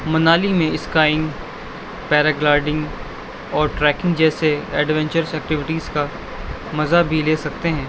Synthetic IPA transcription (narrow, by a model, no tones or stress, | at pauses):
mɐnaːlimẽɪskaːɪ̃ŋɡ | pɛːɾaɡlaːɾɖɪ̃ŋɡ | ɔːɾʈɾɛːkɪ̃ŋɡd͡ʒɛːseɛːɖʋɛ̃ɲt͡ʃəɾsɛːk̚ʈɪʋɪʈiːzka | mɐzabʱileːsɐk̚t̪eɦɛ̃ː